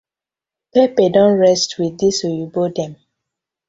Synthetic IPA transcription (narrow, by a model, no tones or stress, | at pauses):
pɛpedɔ̃nɹɛstwidisojubodɛ̃m